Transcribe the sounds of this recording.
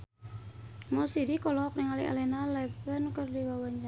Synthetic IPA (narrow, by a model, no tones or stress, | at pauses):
mɔsidikɔlɔk̚niŋaliʔa̰lɛnalɛpənkərdiwawaɲd͡ʒa